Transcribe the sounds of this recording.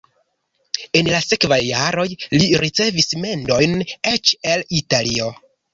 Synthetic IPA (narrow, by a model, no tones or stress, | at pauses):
e̞nlase̞kvajːaɾo̞jliɾit͡se̞visme̞ndo̞jne̞t͡ʃe̞litalio̞